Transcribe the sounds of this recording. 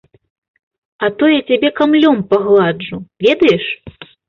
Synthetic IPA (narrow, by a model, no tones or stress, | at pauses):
ɐt̪ɔjɛt͡sʲabʲɛkamlʲɔmpaɣlˠad͡ʐuvʲɛd̪ɐjɛʂ